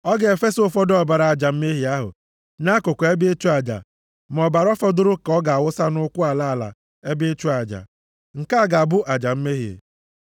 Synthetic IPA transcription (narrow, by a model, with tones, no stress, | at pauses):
ɔ˦ɡe˨fe˦sʊ˦fɔ˦dɔ˨ba˨ɾa˨a˨d͡ʒa˨m̩˦me˦ɦi˨a˦ɦʊ̰˨ | na˦kʊ˨ko˨˦e˦be˦e˦t͡ʃu˦a˨d͡ʒa̰˨ | m˨ɔ˨ba˨ɾɔ˦fɔ˦dʊ˦ɾʊ˦kɔ˦ɡa˨a˨wʊ˦sa˦nʊ˦kʷʊ˦a˨la˦a˨la̰˨ | e˦be˦e˦t͡ʃu˦a˨d͡ʒa̰˨ | ŋ̩˨ka˦˨ɡa˨bʊ˦ʔa˨d͡ʒa˨m̩˦me˦ɦi˨ḛ˨